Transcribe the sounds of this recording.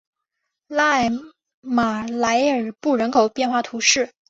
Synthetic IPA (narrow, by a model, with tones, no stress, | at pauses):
la˥˩ɪ | ma˨˩la˧˥ɪə˞˨˩pu˥˩ɻə˧˥nkʰo˨˩ʊpjɛ˥˧nxwa˥˩t̪ʰu˧˥ʂɻ̩˥˩